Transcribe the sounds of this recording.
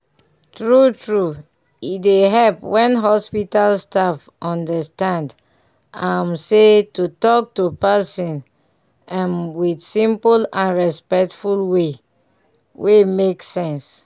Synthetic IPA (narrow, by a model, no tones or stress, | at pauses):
tɹutʰɹu | ideɦɛlpwɛ̃nɦɔspitalstaf | ʔɔ̃ndəstãnd | ãmsetutɔk̚tupasɔ̃n | ãnwidsĩmpulãnɹɛspɛk̚tfulwe | wʔemeksɛ̃ns